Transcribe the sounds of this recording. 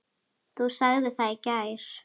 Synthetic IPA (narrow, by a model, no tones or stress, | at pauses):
θusaɣðɪθaðcajɾ̥